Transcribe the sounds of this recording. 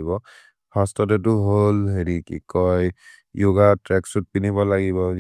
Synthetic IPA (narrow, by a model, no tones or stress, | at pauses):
ibɔ | bʰastɔtɛt̬ʊɦolɦeɹikḭkɔj | joɡatɹɛksut̚pinibɔlaɡibɔ